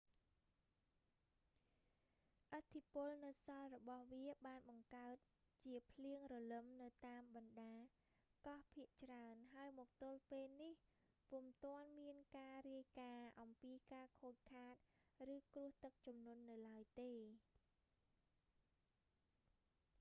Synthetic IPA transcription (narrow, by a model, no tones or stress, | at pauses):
ʔət̪ʰːipʊəlnɨwsɑlrɔɓɑhʋiəɓaːnɓɑŋkaət̪̚ | t͡ɕiəpʰliəŋrɔlɨmnɨwt̪aːmɓɑnɗaː | kɑhpʰiəʔt͡ɕraənɦaəjmɔːk̚t̪ʊlpeːlnih | pumt̪ŏənmiənkaːriəjkaːʔɑmpiːkaːkʰoːc̚kʰːaːt̪̚rɨːkrʊ̆əht̪ɨk̚t͡ɕumnŭənːɨwlaəjt̪eː